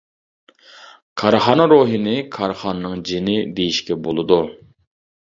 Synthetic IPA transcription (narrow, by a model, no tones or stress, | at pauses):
kʰɑɾχɑnɾoɦinɪkʰɑɾχɑnːɨŋd͡ʒinɪb̪ejiʃkʲɛbolˠɨd̪u